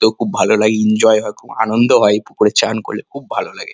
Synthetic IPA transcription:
t̪okʰub̚ːʱalolaɡeind͡ʑɔeɦɔekʰua̰nond̪ʱoɦɔepukoɾet͡ɕanko̰ɾlekʰubbʱalolaɡe

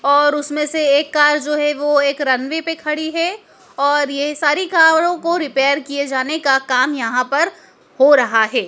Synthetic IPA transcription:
ɔːɾʊsmẽseeːkːaːɾd͡ʒoːɦɛʋoeːkɾɐnʋepekʰɐɽiɦɛ | ɔːɾjesaːɾikaːɾõkoɾɪpeːəɾkied͡ʒaːnekakaːmjɐɦãpɐɾ | hoɾɐɦaɦɛː

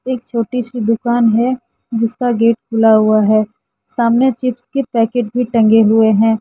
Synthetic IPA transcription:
eːk̚t͡ʃʰoːʈisid̪ʊkaːnɦɛ | d͡ʒɪskaɡeːʈkʊlaɦuaɦɛː | saːmnet͡ʃɪpskepɛːkeːʈ̚bʱiʈɐ̃ŋɡeɦʊeɦɛ̃ː

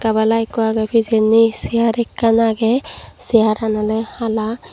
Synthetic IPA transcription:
kabalajkɔaɡabʰʱizɛnisiaɾɛkːanaɡɛsiaɾanɔlɛhala

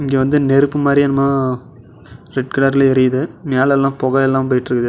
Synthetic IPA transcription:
ɪŋɡeːʋɐnd̪ɯnɛɾɯpːɯmaːd̪ɾiɛnɐmːaː | ɾɛʈ̚kɪɽɐɾɪlɪɾɪjðɯmeːɭɛlːãːpɔɣɐlɛlːaːp̬oːjɪʈːɾɯkːɐðɯ

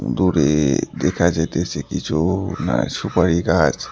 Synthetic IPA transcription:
d̪uɾḛd̪ekʰad͡ʒet̪et͡ʃʰekit͡ʃʰuna̰ʃupaɾikad͡ʒ

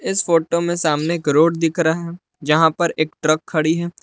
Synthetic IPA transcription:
ɪsfoːʈomẽsaːmneːkɾoːɖd̪ɪkʰɾaɦɛ | d͡ʒɐɦãpɐɾeːkʈɾəkʰːɐɽiɦɛː

